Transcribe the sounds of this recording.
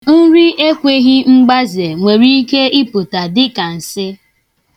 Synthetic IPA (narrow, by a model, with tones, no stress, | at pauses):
n̩˦ɾi˦e˦kʷe˨ɦɪ˦ŋ͡m̩˦ɡ͡ba˦ze˨ŋʷe˨ɾi˦i˦ke˦ɪ˦pʊ˨ta˨dɪ˦ka˨n̩˨sɪ˦